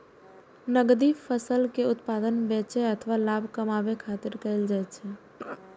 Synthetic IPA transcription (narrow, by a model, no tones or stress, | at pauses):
nəɡd̪ifʰəsəlkeʊt̪paːd̪ənbẽːt͡ʃeət̪ʰəʋalaːbʱkəmabekʰaːt̪ɪɾkəɪld͡ʒaɛt͡ʃʰɛ